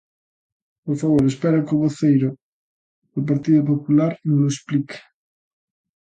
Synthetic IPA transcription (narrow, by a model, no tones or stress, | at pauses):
poɾfaβoɾespeɾakoβoθejɾo | elp̬aɾt̪iðop̬opulaɾeŋlosplik